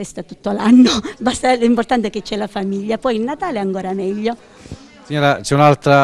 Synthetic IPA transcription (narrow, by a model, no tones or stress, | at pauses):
ɛst̪at̪ut̪ːolanːobast̪alimport̪ant̪eket͡ʃːɛlafamiʎːapɔjilːat̪aːleɛaŋkoːɾamɛʎːo | siɲːoːɾat͡ʃɛunalt̪ɾa